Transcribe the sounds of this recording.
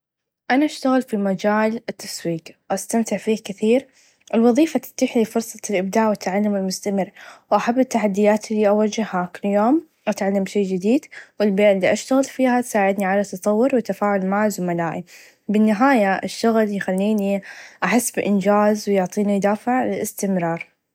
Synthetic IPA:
ʔanaʔaʃt̪aɣɪlfimad͡ʒaːlɪt̪ʰːḁswiːkwʔast̪amt̪ɪʕfiːkɪθiːɾ | ʔɪlwɑðˤiːfat̪ɪ̥t̪ːiːħlifʊɾsˤɑlʔɪb̚d̪aːʔwat̪ʕalːamɪlmʊst̪amɪrːwʔaħabːɪt̪ːaħad̪ːɪjaːt̪ɪlːiʔawad͡ʒːɪhhakɪlːjoːm | ʔat̪ʕalːambʃeːd͡ʒɪd̪iːd̪wɪlbeːʔɪlːiʔaʃt̪aɣɪlfiːhat̪saːʕɪd̪niʕalat̪ːɑt̪ˤɑwːʊɾwɪt̪ːafaːʕʊlmaʕzʊmalaːʔi | bɪnːɪɦaːjaʔaʃt̪aɣɪljxalːiːniʔaħɪsːbɪʔɪnd͡ʒaːzwjʊʕt̪ˤiːnijd̪aːfɪʕlɪlɪst̪ɪmɾɑːɾˤ

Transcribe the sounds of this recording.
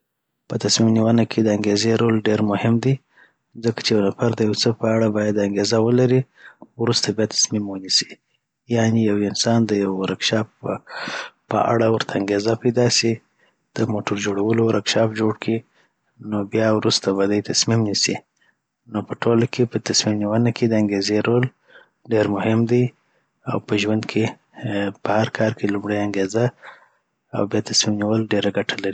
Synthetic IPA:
pət̪asmimniwanakʰed̪əaŋɡezeɾolɖeɾmʊhɪmd̪i | zəkḁt͡ʃejawnafaɾd̪əjawt͡səpəaɽabɑjad̪aŋɡezawəlaɾi | wɾust̪abjɑt̪ʰḁsmimwənisi̥ | jɑnijawɪnsɑnd̪əjawɾakʃɑp | pə̰ʔa̰ɽawəɾt̪ʰaːŋɡezapajd̪ɑsi | d̪̥əmoʈʊɾd͡ʒoɽawəlowaɾʔakʃɑfd͡ʒoɽkʰi | nobjɑwɾust̪aβad̪ajt̪asmimnisi | nopəʈʰolakʰepət̪asmimniwənakʰed̪əaŋɡezeɾol | ɖeɾmʊhɪmd̪aj | a̰wpəʒwand̪kʰe | pəhaɾkʰɑɾkʰelʊmɽajaŋɡeza | a̰wbjɑt̪asmimniwəlɖeɾaɡaʈʰalaɾi

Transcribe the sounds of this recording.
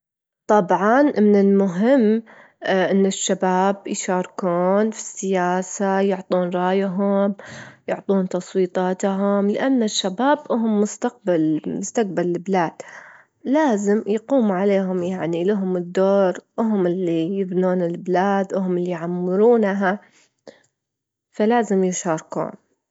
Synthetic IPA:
t̪ˤɑbʕɑnmɪnɪlmʊɦɪmː | ʔɪnːɪʃːabaːbjʃɑːɾˤkuːnfi̥sːɪjaːsajʊʕt̪ˤuːnɾˤɑːjaɦʊmjʊʕt̪ˤuːnt̪ɑsˤwiːt̪ˤɑːt̪ɦʊmlɪʔanːaʃːabaːbʔʊɦʊmːʊst̪aq̚balmʊst̪aq̚balɪblaːd̪̥ | laːzɪmjquːmʕaleːɦʊmjaʕnilaɦʊmɪd̪ːoːɾwʊɦʊmɪlːijɪbnuːnɪlblaːd̪ʔʊɦʊmɪlːijʕamːɪɾuːna | falaːzɪmjʃɑːɾˤkṵːn

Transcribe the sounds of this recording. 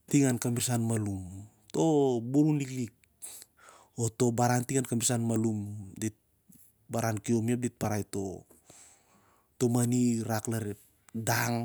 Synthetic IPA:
tiŋankamiɾsanmalum | to̞buɾuniklik̚ | oto̞baɾantiŋankamiɾsanmalumdet̚ | baɾankio̞miap̚det̚paɾajto̞̰ | to̞maniɾaklaɾep̚ | daŋ

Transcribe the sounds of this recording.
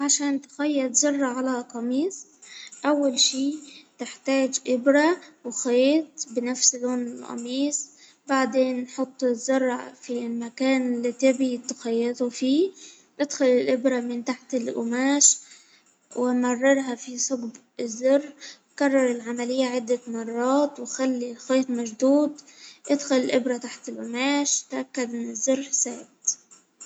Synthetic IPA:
ʕaʃaːnt̪xajːɑt̪zʊrˤːɑʕalaqɑmiːsˤʔawːalʃiːt̪ɪħt̪aːd͡ʒʔɪbɾawxeeːt̪bɪnafsloːnɪlʔɑ̰miːsˤ | baʕd̪eːnːħʊt̪ˤːɪzːʊrˤːɑfilmakaːnɪlːit̪ɪbit̪xajːɪt̪ufiː | ʔɪd̪xʊlɪlʔɪbɾamɪnt̪aħt̪ɪlʔʊ̰maːʃ | wɪmɑrˤːɑɾˤɦafisˤʊɡb | ɪzːʊrː | karˤːɑɾˤɪlʕamalɪjːaʕɪd̪ːamɑrˤːɑːt̪wxalːilxeːt̪maʒd̪uːd̪ʔɪd̪xʊlɪlʔɪbɾat̪aħt̪ɪlʔʊmaːʃt̪ʔakːad̪ʔɪnːɪzːʊrːsaːbt̪

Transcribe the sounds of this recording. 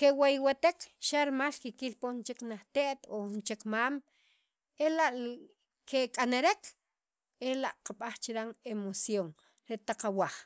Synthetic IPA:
kewajwat̪ekʃaɾmalkekilpont͡ʃeknaχt̪eʔt̪ont͡ʃekmaːm | elaʔ | kʰekʼaneɾek | elaʔqaɓaχt͡ʃiɾaŋemosjoŋ | ɾet̪aqawaχ

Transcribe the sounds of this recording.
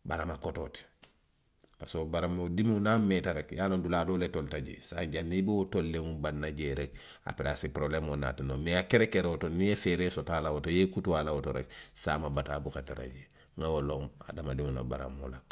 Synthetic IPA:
baɾamakototi̥ | pasobaɾamodimunametaɾekjaːlonduladoːletoltaɟḛsa̰ɲɟanːibeotolːeŋubanːaɟeɾe | a̰peɾasipɾoblemona̰ːtinomeakeɾekeɾeotonijefeɾesotaːlawotojekutuwalawotoɾḛsa̰ːmabatabukataɾa̰ɟe | ŋawoloŋa̰damadimuno̰ba̰ɾa̰mo̰la

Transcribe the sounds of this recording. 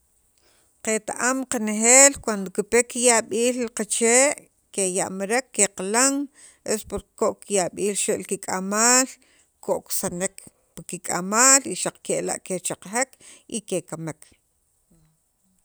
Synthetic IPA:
qet̪a̰ʔamqaneχeːlkwand̪okipekijaɓiːlliqat͡ʃeːʔ | keja̰ʔmaɾekːeqalaŋ | ʔespoɾkoʔkijaɓiːlʃeʔlkikʼamaːl | kʰoʔksanek | pakikʼa̰maːliʃaq͡χkeʔla̰ʔket͡ʃaqχekikekamek

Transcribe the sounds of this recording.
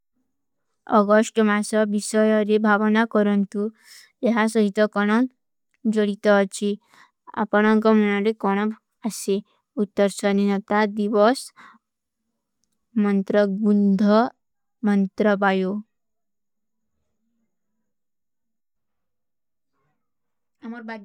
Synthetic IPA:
ɔ̰ɡɔsʈmasɔbisɔjɔɾebʱaʋɔnakɔɾɔnt̪u | jeɦasɔɦit̪ɔkɔɽ̃ɔŋ | d͡ʒɔɽit̪ɔt͡ʃʰi | a̰pɔɽ̃ɔŋkɔmɔnɔɾekɔɽ̃ɔ̃ | ase | ut̪ːɔɾsɔninʌt̪ad̪iʋɔs | mʌnt̪ɾɔbund̪ʱɔ | mʌnt̪ɾɔbajo | amɔɾba

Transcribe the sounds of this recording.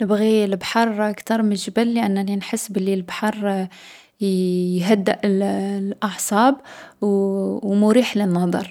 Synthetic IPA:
nəbɣilbħɑɾˤakt̪ɑɾˤməʒbælːəʔænːæninħəsːbəlːilbħɑɾˤ | jɦæd̪ːəʔlʔɑʕsˤɑbwwmʊɾiħlənːɑd̪ˤɑɾˤ

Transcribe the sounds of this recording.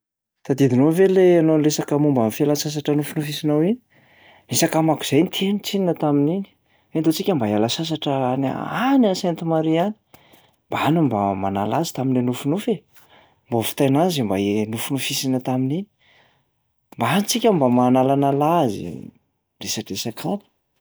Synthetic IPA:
t̪ad̪id̪inoveleanonlesakamumbamifialasas̬aʈ͡ʂənufunufisinawini | nisakamaku̥z̥ajnit̪ʰenut͡sininət̪aminini̥ | ent̪ot͡sikʲambaalasas̬aʈ͡ʂəana̰anasent̪imaɾiani̥ | mb̥aanumbama̰na̰lazi̥t̪aminlenufunufe | mbafi̥t̪ajnazimba̰enufunufisinət̪aminini̥ | mbaanit͡sikʲambamanalanalazḭ | resaʈ͡ʂesakʰamu̥

